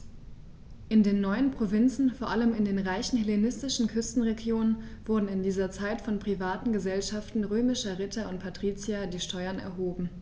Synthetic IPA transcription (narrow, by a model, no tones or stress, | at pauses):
ʔɪndeːnːɔʏənpʁ̥ovɪnt͡sn̩foːɐʔaləmɪndeːnʁaɪçn̩helenɪstɪʃn̩kʰʏstn̩ʁeɡjoːnənv̥ʊɐdn̩ɪndiːzɐt͡saɪtfɔnpʁ̥ivaːtn̩ɡəzɛlʃaftn̩ʁøːmɪʃɐʁɪtɐʊnt̚pʰatʁ̥iːt͡sjadiːʃtʰɔʏɐnɛ̰ɐɦoːbm̩